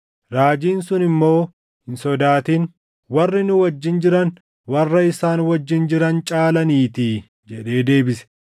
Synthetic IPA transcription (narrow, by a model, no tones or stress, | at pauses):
ɾaːd͡ʒiːnsʊnɪmːo̞ː | hɪnsɔd̪aːt̪iːn | wɐrːɪnʊwɐd͡ʒːɪnd͡ʒɪɾɐn | wɐrːɐɪsaːnwɐd͡ʒːɪnd͡ʒɪɾɐnt͡ʃʼaːlɐniːt̪i | d͡ʒɛᶑe̞ːd̪e̞ːbɪsɛ̥